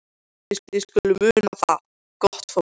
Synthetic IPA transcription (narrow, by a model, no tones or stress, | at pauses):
ɛskʏlːʏmʏːnaθa | kɔht̪fɔ